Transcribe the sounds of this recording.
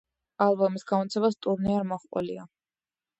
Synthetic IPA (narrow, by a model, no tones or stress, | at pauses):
alˠbɔmisɡamɔt̪sʰɛbast̪ʼuɾniaɾmɔχqʼɔ̰lia